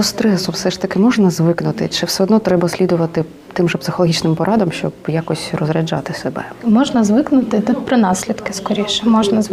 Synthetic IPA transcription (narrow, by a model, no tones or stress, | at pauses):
ɔst̪ɾɛsʊwsɛʂt̪ɐkɪmɔʒnɐzʋɪknʊt̪ɪt͡ʃɪwsɛɔd̪nɔt̪ɾɛbɐsʲlʲid̪ʊʋɐt̪ɪ | t̪ɪmʒɛpsɪxɔlˠɔɦit͡ʃnɪmpɔɾʔɑd̪ɐmʃt͡ʃɔbjakɔsʲrɔzɾʲɐd͡ʒɑ̰t̪ɪsebɛ̰mɔʒnɐzʋɪknʊt̪ɪt̪ʊt̪̚pɾɪnɑsʲlʲid̪kɪskɔɾʲiʃɛmɔʒnɐ